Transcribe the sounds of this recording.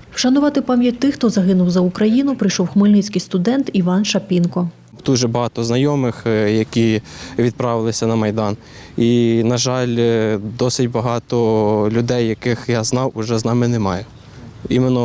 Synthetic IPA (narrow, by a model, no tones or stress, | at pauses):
wʃɐnʊʋɑt̪ɪpɑmʲjɐt̚ʲt̪ɪxt̪ɔzɐɦɪnʊwzɐʊkɾɐjinʊpɾɪjʃɔwxmɐlʲnɪt͡sʲkɪjst̪ʊd̪ɛnt̪iʋɑnʃɐpʲinkɔ | d̪̥uʒɛbɐɦɑt̪ɔznɐjɔmɪxjɐkʲiʋʲid̪̚pɾɑʋɪlˠɪsʲɐnɐmɐjd̪ɑn | inɐʒɑlʲd̪ɔsɪtʲbɐɦɑt̪ɔlʲʊd̪ɛjːɐkɪxjaznɑwʊʒɛznɑmɪnemɑjɛ | imenɔ